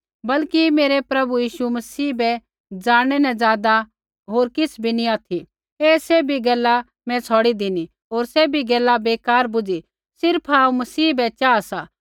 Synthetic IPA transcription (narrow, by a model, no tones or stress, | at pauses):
bɐlkimeːɾepɾɐbujiːʃumɐsiːbɛ | d͡ʒaːɽ̃ɛnɛ̃d͡zaːd̪a | ɦoːɾkɪsbʱiniaːt̪ʰi | eːsebʱiɡɛːla | mɛ̃t͡sʰɔːɽid̪ɪni | ɦoːɾsɛbʱiɡɛːlabeːkaːɾbʊd͡ʒi | sɪɾpʰaːũmɐsiːbɛt͡ʃaːsa